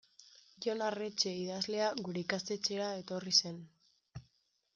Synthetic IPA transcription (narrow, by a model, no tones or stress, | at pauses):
ʝonaret͡ʃe̞iðazle̞aɣuɾe̞ikast̪e̞t͡ʃe̞ɾae̞t̪orise̞n